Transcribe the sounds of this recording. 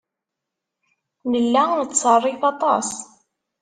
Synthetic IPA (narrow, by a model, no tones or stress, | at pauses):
nəlːæðət̪ːsɑrˤːɪθɑt̪ˤɑ̰s